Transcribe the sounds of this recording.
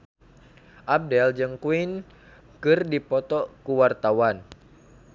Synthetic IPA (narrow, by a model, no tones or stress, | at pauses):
ʔab̚dɛld͡ʒɨŋkuin | kɨrdipɔt̪ɔkuwart̪awan